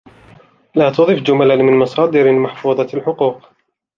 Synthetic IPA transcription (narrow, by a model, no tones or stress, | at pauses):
laːt̪ʊðˤɨfd͡ʒʊmalanmɪnmɑsˤɑːd̪ɪɾmaħfuːðˤɑlħʊquːq